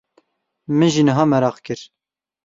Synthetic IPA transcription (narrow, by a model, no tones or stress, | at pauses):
mɨnʒiːnɨɦɑːmɛɾɑːqkɨɾ